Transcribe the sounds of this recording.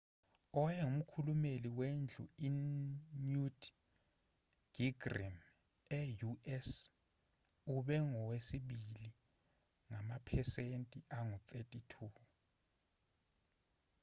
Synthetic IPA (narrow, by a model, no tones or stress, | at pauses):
ɔjɛum̩kʰulumeliwend͡ɮʱṵinud | ɡ̥iɡrḭm | ɛjuɛs | uɓɛŋɔwesiɓili | ŋamapʰɛsentʼiʔaŋutʰʼetʼitʰu